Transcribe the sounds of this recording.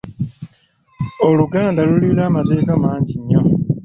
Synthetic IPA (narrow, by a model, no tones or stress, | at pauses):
oluɡaːndalulilaːmate̞ːkamaːɲɟiɲːo